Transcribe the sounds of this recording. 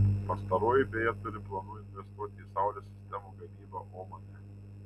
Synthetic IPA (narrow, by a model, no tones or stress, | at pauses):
pɐst̪ɐɾoːjɪbʲeːjɛt̪ʊɾʲɪplˠɐnuːɪnʲʋʲɛst̪uɔt̪ʲɪːsɑˑʊlʲoːsʲɪ̥sʲt̪ʲɛmuːɡɐmʲiːbɐʔoːmɐnʲɛ